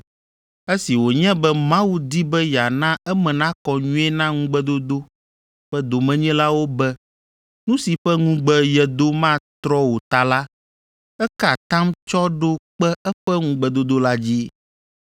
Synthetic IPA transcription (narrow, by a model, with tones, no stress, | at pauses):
e˦si˨wo˨ɲɛ̃˦bɛ˦mã˦wu˦d̪i˦bɛ˦ja˨nã˦ɛ˦mɛ̃˨nã˦kɔ˨ɲũ˦ɛ˦nã˦ŋũ˦ɡ͡bɛ˦d̪o˦d̪o˦ | ɸɛ˦d̪o˨mɛ̃˨ɲɛ̃˦la˦wo˦bɛ˦ | nũ˦si˨ɸɛ˦ŋũ˦ɡ͡bɛ˦jɛ˨d̪o˦mã˦t̪ɾɔ˦wo˨t̪a˨la˦ | ɛ˦ka˨t̪ã˦mt͡ʃɔ˦ɖo˦k͡pɛ˦ɛ˦ɸɛ˦ŋũ˦ɡ͡bɛ˨d̪o˦d̪o˦la˦d͡ʑi˦